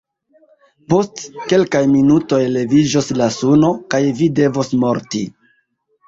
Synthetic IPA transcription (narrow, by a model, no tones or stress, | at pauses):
po̞stke̞lkajminuto̞jle̞vid͡ʒoslasuno̞kajvide̞vosmo̞ɾti